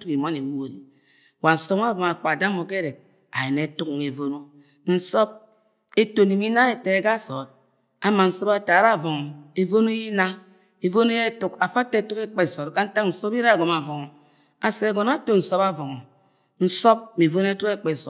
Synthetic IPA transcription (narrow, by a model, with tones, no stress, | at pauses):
tu˦ki˨mɔ˦ni˨wu˦o˨ɾi˨ | wa˨n̩˨sɔ˦a˦vɔ˨ma˨k͡pa˨da˦mo˨ke˦ɾe˨k̚ | a˨je˨ne˨˦tu˦kŋe˨vo˦no˦ | n̩˦sɔ˦p̚ | e˦to˨ni˨mi˦na˦e˨te˨e˨ɡa˦sɔ˨t̚ | a˨ma˨n̩˦sɔ˦ba˦ta˨ɾa˦˨vɔ˨ŋɔ˨e˨vo˦nu˦i˦na˦ | e˨vo˦ne˦je˦tu˦ka˨fa˦te˦tu˦ke˦k͡pe˦˨sɔ˨tka˦n̩˦ta˦kn̩˨sɔ˦bi˦ɾa˦˨ɡɔ˨ma˨vɔ˨ŋɔ˨ | a˨se˨ɡɔ˨na˦to˦n̩˦sɔ˦ba˦vɔ˨ŋɔ˨ | n̩˦sɔ˦p̚mi˨vo˦n˦e˦tu˦ke˦k͡pe˦˨sɔ˨